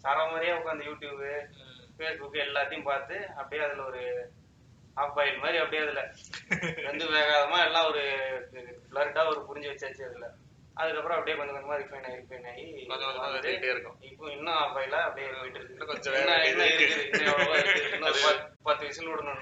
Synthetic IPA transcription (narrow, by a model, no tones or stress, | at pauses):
saːɾaːmaːɾɪjaːʊkːaːnd̪ɐjuːʈjuːbɯfeːsbʊkːɯɛlːaːt̪ːɐjʊ̃mpaːɾt̪ɯɐpːɐɽɪjeːɐðɪlɐɔɾɯ | aːbɐɪlmaːðɾiɐpːɐɽɪjeːɐðɪlɐ | ʋɐnd̪ɯʋeːɣaːðɐmaːɛlːãːɔɾɯ | flɐɾɪʈːaːɔɾɯpʊɾɪɲd͡ʒɯʋɐt͡ʃːaːt͡ʃːɯɐðɯlːɐ | ʔɐ̰ðɯkːɐpːɯɾɔ̃ɐpːɐɽɪjeːkɐnd̪ɯkɐnd̪ɐmaːd̪ɾifɐɪnaːɪɾɯkːnːɐjiaad̪ɯʈːeɾɯkːʊ̃ɪpːõɪnːɐ̃aːbɐɪlaːɐpːɐɽɪjeɐɪʈːɯɾɯk̪ːnːkɔd͡ʒɛnːɐɛnːɐɪɾɯkːɯðɯɪɐɐɐaɯnːoɐpɐt̪ːɯʋɐsɐnɔɽɐnonː